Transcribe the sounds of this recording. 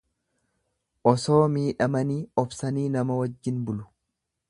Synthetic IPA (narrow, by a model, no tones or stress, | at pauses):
ʔɔso̞ːmiːᶑɐmɐniːɔbsɐniːnɐmɐwɐd͡ʒːɪnbʊlʊ̥